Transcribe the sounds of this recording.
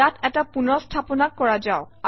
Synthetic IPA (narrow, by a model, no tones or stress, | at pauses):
atɛtapunɔstʰapɔnakːɔɹad͡ʒaʊ | a